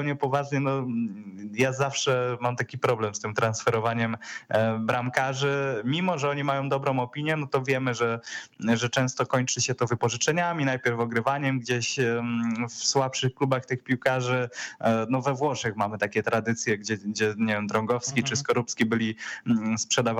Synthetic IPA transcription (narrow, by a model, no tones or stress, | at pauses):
wɲɛpɔvaʐɲɛnɔ | jazafʂɛmamt̪akʲipɾɔblɛmst̪ɘmt̪ɾansfɛɾɔvaɲɛmbɾamkaʐɘmʲimɔʐɛɔɲimajɔ̃wd̪ɔbɾɔ̃w̃ɔpʲiɲjɛnɔt̪ɔvʲjɛmɘʐɛʐɛt͡ʂɛ̃w̃st̪ɔkɔɲt͡ʂɘɕɛt̪ɔvɘpɔʐɘt͡ʂɛɲamʲinajpʲjɛɾfɔɡɾɘvaɲɛmɡd͡ʑeɕ | fswapʂɘxklubaxt̪ɘxpʲiwkaʐɘnɔvɛvwɔʂɛxmamɘt̪akʲɛt̪ɾad̪ɘt̪sʲjɛɡd͡ʑɛɡd͡ʑɛɲevʲjɛmd̪ɾɔŋɡɔfskʲit͡ʂɘskɔɾupskʲibɘlʲispʂɛd̪av